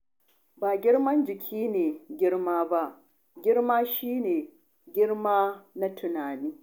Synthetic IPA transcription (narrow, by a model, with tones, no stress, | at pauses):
baː˨ɡʲɪ˦ɽmɐ˦nd͡ʒɪ˨kʲʰiː˦neː˨ɡʲɪ˦ɽmaː˦ba˦ʔ | ɡʲɪ˦ɽmaː˦ʃiː˦neː˨ | ɡʲɪ˦ɽmaː˦na˦tʰʊ˨naː˨niː˦